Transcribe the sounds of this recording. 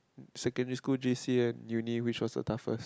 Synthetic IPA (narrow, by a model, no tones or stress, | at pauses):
sɛkə̃ndəɹiskuld͡ʒisiɛ̃njuniwit͡ʃwɔsdə̰tʰafə̰s